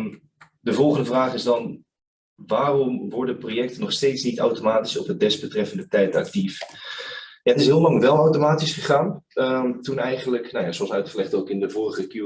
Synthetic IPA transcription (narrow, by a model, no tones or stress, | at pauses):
m | dəvɔlˠχəndəvraːχɪzdɑn | ʋaːrɔmʋɔɹdəprojɛktənɔχstejtsnitawtomaːtisɔp̚dədɛzbətrɛfəndətɛjtɑ̰k̚tif | jaətɪsɦɪːlˠlɑŋʋɛlˠawtomaːtisχəχaːn | tunɛjχənləknawjaːsɔmsœɥtχəlɛχtowkɪndəvʊːrəχəkju